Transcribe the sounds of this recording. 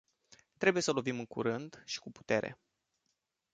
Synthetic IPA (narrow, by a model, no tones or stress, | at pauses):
t̪ɾe̞buje̞səlo̞vimɨŋkṵɾɨnd̪ʃi̥kupu̥t̪e̞ɾe̞̰